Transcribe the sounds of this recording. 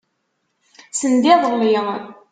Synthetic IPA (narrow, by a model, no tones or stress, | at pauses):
sənd̪iðˤəli